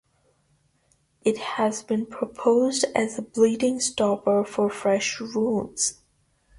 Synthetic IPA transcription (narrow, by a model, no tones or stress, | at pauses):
ʔɨt̚hɨzbɨ̃npʰɹ̥əpʰoʊzdɨzəbliɾɪ̃ŋstɑpə˞fə˞fɹɛʃɹulˠz̥